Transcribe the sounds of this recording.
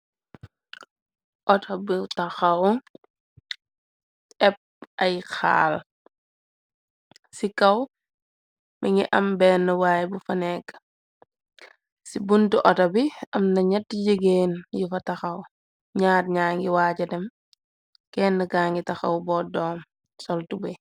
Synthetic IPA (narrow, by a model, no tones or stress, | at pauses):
ʔɔtɐbitɐxɐw | ɛp̚ɐjxa̰ːl | sikɐw | miŋiʔɐmbɛnːɐwaːjbufɐnɛkː | sibuntuʔɔtɐbiɐmnɐɲɛtːiɟəɡeːnjifɐtɐxɐw | ɲaːɾɲaːŋɡiwat͡ʃɐdɛm | kɛːnːɐɡaːŋɡitɐxɐ̰wbɔːdɔːm | sɔltubi